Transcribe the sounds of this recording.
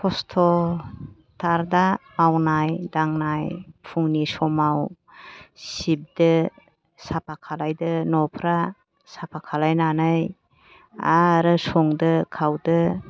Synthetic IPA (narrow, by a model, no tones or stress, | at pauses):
kʰɔstʰɔ | tʰaɾdamawnajdaŋnajpʰuŋnisɔmaw | sib̚dɯ | sapʰakʰalajdɯnɔpʰɾa | sapʰakʰalajnanɯj | a̰ɾɯsɔŋdɯkʰawdɯ